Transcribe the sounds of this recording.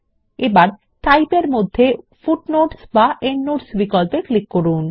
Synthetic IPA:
ebaɾ | ʈajpeɾmod̪ʱːe | fuʈnoʈsbaʔeɳːoʈsbikɔlpeklikːoɾun

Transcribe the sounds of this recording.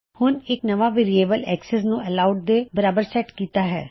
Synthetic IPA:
hʊnɪknəʋaːʋeːɾieːbəlɛːksɛsnũːɛlaːʊɖ̚d̪eːbəɾaːbəɾsɛːʈkiːt̪aːɦɛ̰ː

